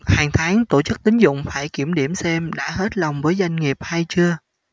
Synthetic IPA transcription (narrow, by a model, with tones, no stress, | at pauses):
haː˨˩ŋt̪ʰaː˨˦ŋt̪o˧˩t͡ɕɨ˦˥k̚t̪ï˨˦ŋ̟zʊ̰˧˨ŋ͡mfaː˧˩jki˧˩əmɗi˧˩əmsɛ˧mɗa̰ː˧˥ɦe˦˥t̚la˨˩wŋ͡mvəː˨˦jza˧jŋ̟ŋi˨˩əp̚haː˧jt͡ɕɨ˧ə